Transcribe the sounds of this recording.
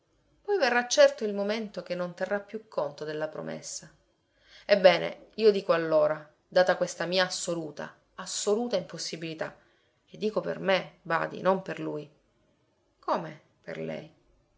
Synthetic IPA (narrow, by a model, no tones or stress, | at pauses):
pɔjverːat͡ʃːɛrt̪oilmoment̪ok̟enːont̪erːapːjukʰːont̪od̪elːapɾo̰mḛsːa | ebːɛːnḛiːod̪iːkoalːoːɾa | d̪aːt̪akwest̪amiːaːsːoluːt̪a̰ | asːoluːt̪aimposːibilit̪a̰ | ed̪ːiːkopḛrmeba̰ːd̪ḭnomperluːj | koːme | pḛrlɛ̰j